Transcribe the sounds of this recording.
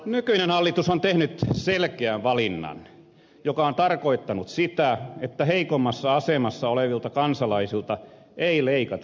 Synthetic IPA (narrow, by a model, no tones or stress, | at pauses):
nykyinenhɑlːit̪usont̪ehnyt̪selkeæʋʋɑlinːɑ̰n | jokɑont̪ɑrkoit̪ːɑnut̪sit̪æet̪ːæheikomːɑsːɑɑsemɑsːɑoleʋilt̪ɑkɑnsɑlɑisilt̪ɑ | eileikɑt̪